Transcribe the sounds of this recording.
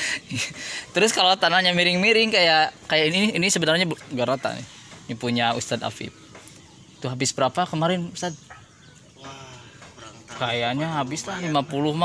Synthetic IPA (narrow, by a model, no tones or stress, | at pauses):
t̪əɾʊskalot̪anahɲamiɾɪŋmiɾɪŋkajaʔkajaʔiniinisəbənarɲabɡaɾat̪a̰nɪ̰hnipuɲaṵst̪ad̪a̰fɪ̰p̚ | t̪uɦabɪsbəɾapakəmaɾɪnust̪ad̪̚ | kajaʔɲaɦabɪslahlimapulʊhma